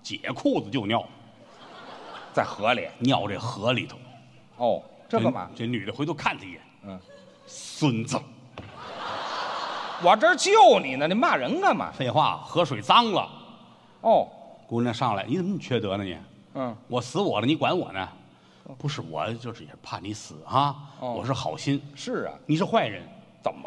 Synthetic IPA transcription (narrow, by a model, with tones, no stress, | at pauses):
t͡ɕjɛ̰˨˩kʰu˥˩d͡z̩˨˩t͡ɕjo˥˧ʊnjɑ˥˩ʊm | t͡sa˥˩ɪxɤ˧˥liɛ̰˨˧˩njɑ˥˧ʊʈ͡ʂə˥˩xɤ˧˥li˨˩t̪ʰo˧˥ʊ | ɔ˥˧˩ | ʈ͡ʂɤ˥˩ɡə˨mɐ̰˩ʈ͡ʂə˥˩ny˨˩d̪ə˦xwe˧˥ɪo˥kʰa˥˧nt͡sʰa˧˩jɛ˨˧˦ | swə˥nt͡sə˧˩ | wɔ˨˩ʈ͡ʂə˥˧˥t͡ɕjo˥˩ʊni˨˩nə˧ni˨˩˥ma˥˩ɻə˧˥nnə˧mɐ̰˩fe˥˧ɪxwa̰˥˩xɤ˧˥ʂwe˨˩ɪt͡sɑ˥ŋlə̰˨ | ɔ˥˩ku˧˥ni˧˥˧ʂɑ˥˩ŋla̰˧˥ɪni˧˥t͡sə˧˩m˦u˨˩t͡ɕʰɥɛ˥˩t̪ɤ˧˥nə˧nɛ̰˧˩˦ | wʔɔ˨˩sɹ̩˧˥wɔ˨˩lə˦ni˧˥kwa˧˥nwɔ̰˨˩nə˦ | pu˧˥ʂ̬ɻ̩˥˩wɔ̰˨˩t͡ɕjo˥˧ʊʂɻ̩˨˩˧pʰa˥˩ni˧˥sɹ̩˨˩˦xɐ˥˧wɔ˨˩ʂ̬ɻ̩˥˩xɑ˨˩ʊɕi˥nʂɻ̩̰˥˩ni˨˩ʂɻ̩˥˧xwa˥˩ɪɻə̰˧˥nt͡sə̰˨˩m˦